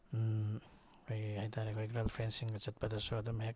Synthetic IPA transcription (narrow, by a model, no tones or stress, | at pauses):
kʰojhajtʰaɾekʰojɡɾalpʰensiŋɡɐt͡ʃɐt̚pɐdɐsuadumhek